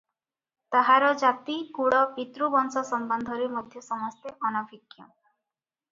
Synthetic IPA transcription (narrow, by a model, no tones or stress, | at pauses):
t̪aɦaɾɔd͡ʒat̪ikuɽɔpit̪ɾubɔnsɔsɔmbɔnd̪ʱɔɾimɔd̪ʱjɔsɔmɔst̪eʔɔnɔbʱikjɔ̰